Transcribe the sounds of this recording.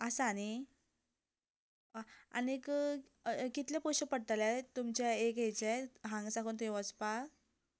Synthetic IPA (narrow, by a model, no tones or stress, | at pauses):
asani | aa̰nek | kit̪ljapɔɕəpəɽ̚t̪alat̪umt͡ɕjaeket͡ɕeɦãŋɡsakuːnt̪eʋəspa